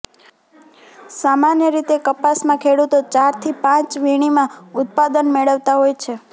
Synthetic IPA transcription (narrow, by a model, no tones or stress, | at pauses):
samanjəɾit̪ekəpasmãkʰeɽut̪ot͡ʃaɾt̪ʰipãt͡ʃʋiɽ̃imãʊt̪̚pad̪ənmeɭəʋt̪aɦojt͡ʃʰe